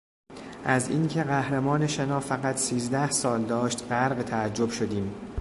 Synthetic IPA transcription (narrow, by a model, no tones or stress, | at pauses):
ʔæzḭːncʰe̞ɣæhɾemɒːne̞ʃenɒːfæɣæt̪ʰsiːzd̪æhsɒːld̪ɒːʃt̪ɢæɾɢt̪ʰææd͡ʒːo̞b̥ʃo̞d̪iːm